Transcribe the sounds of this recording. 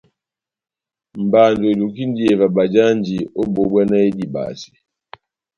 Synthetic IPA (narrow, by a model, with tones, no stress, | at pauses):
m̩˨ba˨ndo˨i˨lu˨ki˦n˦di˦ɛ˨va˨ba˨d͡ʒa˦nd͡ʒi˨o˦bo˨bwa˦na˦e˦di˨ba̰˨si̥˨